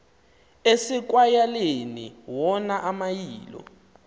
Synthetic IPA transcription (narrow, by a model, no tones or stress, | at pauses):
esik̬wajalenḭwɔnaʔamajiːlɔ̰